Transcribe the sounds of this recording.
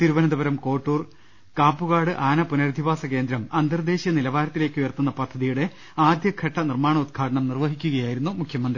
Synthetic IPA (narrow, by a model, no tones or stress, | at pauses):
t̪iɾuʋɐnɐd̪ɐbɐɾɐmko̞ːʈːuːr | kaːpːuɣaːɽɨʔaːnɐpunɐɾd̪ʱiʋaːsɐke̞ːnd̪ɾɐmɐnd̪ɐrd̪e̞ːɕjɐnilɐʋaːɾɐt̪ːile̞ːkʲːujɐrt̪unːɐpɐd̪ʱːɐðijuɽe̞ | aːd̪jɐkʰːɐʈːɐnirmaːɳɐud̪̚ɡʰʱaːʈɐɳɐmnirʋɐɦikʲːuɣɐjaːjiɾunːumukʰjɐmɐnd̪rii